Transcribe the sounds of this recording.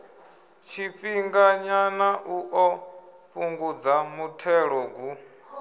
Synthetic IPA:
t͡ʃʰiɸiŋɡaɲanaʔuʔɔɸuŋɡud͡zamutʰɛɺɔɡu

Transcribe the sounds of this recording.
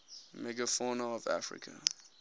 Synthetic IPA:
mɛɡəfɔnəʌvæ̰fɹɪ̰kʰə

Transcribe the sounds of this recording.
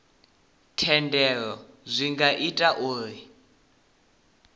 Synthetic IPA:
tʰɛndɛɺɔ | zʷiŋɡaʔitʼaʔoːri

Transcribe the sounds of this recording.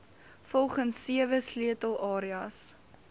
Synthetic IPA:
fɔlˠχənsːiəvəsliətəlˠʔɑːɾiɐs

